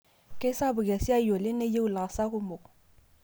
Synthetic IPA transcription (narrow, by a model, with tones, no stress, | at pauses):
kʼɪ˦sa˦bʊ˨ka˨si˦a˦i˦jɔ˨lɪ˦ne˦je˦u˦˨la˨sa˦kʊ˦mo˨